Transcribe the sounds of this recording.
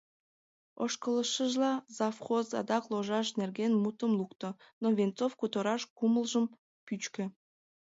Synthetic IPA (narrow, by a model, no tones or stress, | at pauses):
oʃkələʃəʒlɑzɑfχozɑ̰d̪ɑkloʒɑʃnerɣenmut̪əmlˠukt̪o | noβent͡sofkut̪əɾɑʃkuməlʒəm | pyt͡ɕkø̆